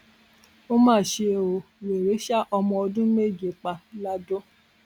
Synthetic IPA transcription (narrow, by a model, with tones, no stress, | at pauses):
o˦mãː˦˨ʃe˧˨o˨we˨ɾe˨˦ʃa˦ʔɔ˧mɔ̃˧ɔ˧dũ˦me˦˨d͡ʒe˨k͡pa˧la˦do˦